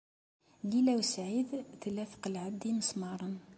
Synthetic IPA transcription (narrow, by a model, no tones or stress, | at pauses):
ɡilæwsʕid̪t̪əlæfqəlʕad̪iməsmɑɾˤən